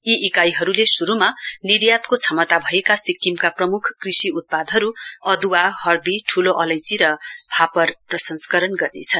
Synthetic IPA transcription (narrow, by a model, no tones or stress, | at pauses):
iʔikajɦʌɾulesuɾumaniɾjat̪kot͡sʰʌmʌt̪abʱʌekasikːimkaprʌmukʰkrisiut̪̚pad̪ʱɦʌɾuʌd̪uwahʌrd̪iʈʰuloʔʌlʌjt͡siɾʌbʱapʌrprʌsʌnskʌɾʌnɡʌrnḛt͡sʰʌn